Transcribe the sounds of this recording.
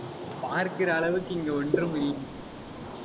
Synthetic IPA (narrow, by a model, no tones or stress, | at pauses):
paːɾkɪrɐːɭɐʋɯkːɯɪŋɡeːɔɳdrɯmɪɾɪŋ